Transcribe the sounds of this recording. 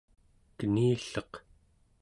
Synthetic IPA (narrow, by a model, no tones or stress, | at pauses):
kəniːɬʌq